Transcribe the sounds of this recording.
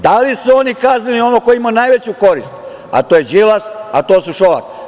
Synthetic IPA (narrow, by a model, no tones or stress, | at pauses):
d̪alisuo̞nikaznilio̞nokojimanajʋe̞t͡ɕuko̞ɾist̪ | a̰t̪ojed͡ʒilasat̪o̞ːsuʃola̰k̪i